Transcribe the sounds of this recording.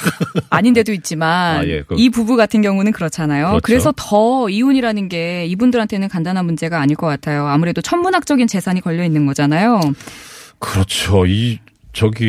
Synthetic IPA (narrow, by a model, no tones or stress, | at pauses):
aɲinde̞doit̚t͡ɕ͈imanipubuɡatʰɯnɡjʌŋunɯnkɯɾʌt͡ɕʰanajokɯɾe̞sʰʌtʌiuɲiɾanɯnɡe̞ibundɯɾɦantʰe̞nɯnkandanɦanmund͡ʑe̞ɡaːɲiɭk͈ʌk͈atʰajoamuɾe̞dot͡ɕʰʌmmunɦak̚t͡ɕ͈ʌɡint͡ɕe̞sʰaɲikʌʎːʌinːɯnɡʌd͡ʑanajo | kɯɾʌt͡ɕʰoi | t͡ɕʌɡi